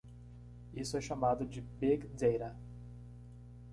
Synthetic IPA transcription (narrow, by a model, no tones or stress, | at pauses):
isʊɛʃamad̪ʊd͡ʒɪbeɡd̪ejɾɐ